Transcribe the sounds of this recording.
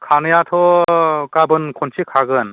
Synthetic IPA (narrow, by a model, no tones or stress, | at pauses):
kʰanɯjat̪ʰɔkabɯnkʰɔnsikʰaɡɯn